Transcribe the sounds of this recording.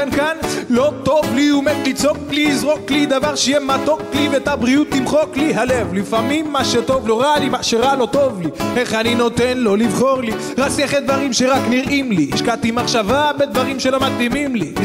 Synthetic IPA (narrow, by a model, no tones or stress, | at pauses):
nkanlo̞t̪o̞vliomed̪lit͡so̞kːliːzʁokːlid̪avaʁʃejɛmat̪o̞kːliveet̪abʁiut̪ːimχo̞kliɦalevlifamimːaʃet̪o̞vlo̞ʁalimaʃeʁalo̞t̪o̞vlieχanino̞t̪enlo̞livχo̞ʁli | ʁat͡sɛχet̪d̪vaʁimʃe̞ʁakniʁʔimliʃkat̪imaχʃavabed̪vaʁimʃe̞lo̞mat̪limimli